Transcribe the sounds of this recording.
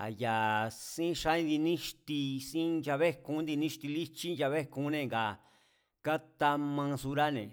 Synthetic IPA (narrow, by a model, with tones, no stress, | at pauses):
a̰˨ja˨sĩ˦ʃa˧˦ĩ˦d̪i˧nĩ˦ʃt̪i˧sĩ˦nd͡ʒa˧βe˦˧kũ˧˦nd̪i˧nĩ˦ʃt̪i˧li˦t͡ʃi˦nd͡ʒa˧βe˦kũ˧˨˦nẽ˧˨ŋɡa˨ | ka˦t̪a˧mã˧su˧ɾa˦nḛ̃˨